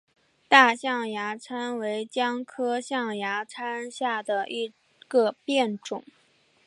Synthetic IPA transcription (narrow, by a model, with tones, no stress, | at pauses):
t̪a˥˧ɕjɑ˥˩ŋja˧˥t͡sʰa˥nwe˧˥ɪt͡ɕjɑ˥ŋkʰɤ˥ɕjɑ˥˩ŋja˧˥t͡sʰa˥nɕja˥˩d̪ə˩ʔi˧˥˩ | ɡ̥ə˧pjɛ˥˩nʈ͡ʂʊ˨˩˦ŋ